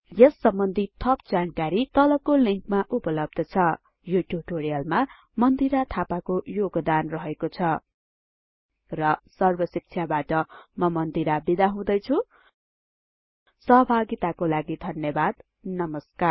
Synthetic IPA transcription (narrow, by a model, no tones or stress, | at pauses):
jʌsːʌmbʌnd̪ʱit̪ʰʌpd͡zankaɾit̪ʌlʌkoliŋkmaʔupʌlʌb̚d̪ʌt͡sʰʌ | juʈjub̚ʈoɾijʌlma | mʌnd̪iɾat̪ʰapakojoɡd̪anrʌɦekot͡sʰʌ | rʌsʌrbʌsik̚t͡sʰjabaʈʌmʌmʌnd̪iɾabid̪aɦũd̪ʌjt͡sʰu | sʌɦʌbʱaɡit̪akolaɡid̪ʱʌnjʌbad̪̚ | nʌmʌskar